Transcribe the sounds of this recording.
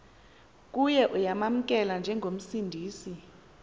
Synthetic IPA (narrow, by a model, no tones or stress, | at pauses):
k̬ʼujɛʔujamam̩k̬ʼɛland͡ʒʱɛŋɡʱom̩sindʱiːsi